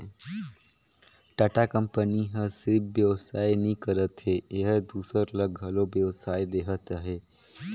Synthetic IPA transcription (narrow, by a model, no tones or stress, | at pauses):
ʈaʈakə̃mpəniɦə̃sɪɾpʰʋjəʋsaːjnĩkəɾət̪ɦeeɦəd̪uːsəɾləɡʱəlobjəʋsaːjd̪eːɦət̪aɦe